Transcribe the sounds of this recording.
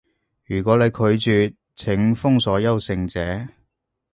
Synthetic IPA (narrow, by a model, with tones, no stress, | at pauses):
jyː˨˩k̬ʷɔː˨˥le˨˧jkʰɵ˨˧ɥt͡syː˨t̚ | t͡sʰɪ˨˥ŋfʊ˥ŋsɔː˨˥jɐ˥wsɪ˧ŋt͡sɛː˨˥